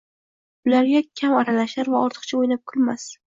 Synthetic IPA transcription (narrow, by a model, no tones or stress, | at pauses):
bʊlaɾɡʲakʲʰamaɾalaʃaɾvaɒɾt̪ʰɨ̥qt͡ʃʰaojlap̚kʰʊlmas